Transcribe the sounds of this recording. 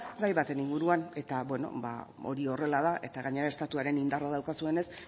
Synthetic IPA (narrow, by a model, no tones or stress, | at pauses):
rajβat̪e̞niŋɡuɾuane̞t̪abwe̞no̞̰ba̰o̞̰ɾio̞re̞laðaʔe̞t̪aɣaɲe̞ɾae̞st̪at̪uaɾe̞nind̪arað̞awkasue̞ne̞s